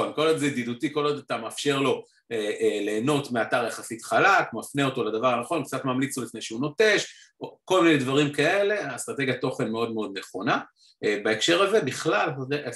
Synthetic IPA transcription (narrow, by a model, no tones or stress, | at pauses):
onko̞lod̪zed̪id̪utiko̞lod̪at̪amafʃe̞ʁlo̞ | eele̞ːno̞tmeataʁjeχasit̪χalakmafneo̞t̪o̞lad̪avaʁanaχo̞nkt͡sat̪mamlit͡slolifnejʃeuno̞te̞ʃ | oko̞lminejd̪vaʁimkae̞le̞ast̪ʁat̪e̞ɡjat̪o̞χe̞nmeo̞d̪meo̞d̪ne̞χo̞na | ebaekʃe̞ʁaze̞biχlalde